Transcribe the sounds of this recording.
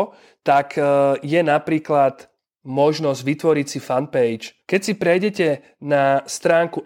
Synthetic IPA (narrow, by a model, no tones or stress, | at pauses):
t̪akjɛnapɾiːklat̪ | mɔʒnɔzɟʋit̪ʋɔɾicsifanpɛjt͡ʃkɛcsipɾɛjɟɛcɛ | nast̪ɾaːŋku